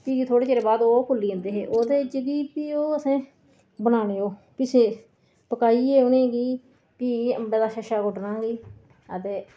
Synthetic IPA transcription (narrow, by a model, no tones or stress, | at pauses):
piːd͡ʒiːt̪ʰoːɽeːt͡ʃeːɾeːbaːd̪oːkʊlːiːə̃ːnd̪eːɦḛːʔoːd̪eːɪt͡ʃɡiːpiːoːəsẽː | bənaːneːoː | pɪt͡ʃʰeː | pəkaːiːeːʊnẽːɡiː | piːə̰mbeːd̪aːʃəʃaːɡoɖnãːɡiː | ət̪eː